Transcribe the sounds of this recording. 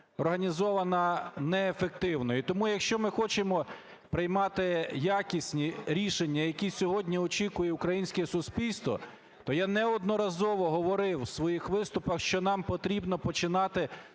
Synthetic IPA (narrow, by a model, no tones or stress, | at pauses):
ɔrɦɐnʲizɔʋɐnɐnɛːfek̚t̪ɪwnɔjit̪ɔmujɐkʃt͡ʃɔmɪxɔt͡ʃemɔ | pɾɪjmɑt̪ɪjakʲisʲnʲiɾʲiʃenʲːɐjɐkʲisʲɔɦɔdʲnʲiɔt͡ʃikʊjɛʊkɾɐjinʲsʲkɛsʊspʲilʲst̪ʋɔ̰ | t̪ɔjanɛɔd̪nɔɾɐzɔʋɔɦɔʋɔɾɪwsʋɔjixʋɪst̪ʊpɐxʃt͡ʃɔnɑmpɔt̪ɾʲibnɔpɔt͡ʃɪnɑt̪ɪ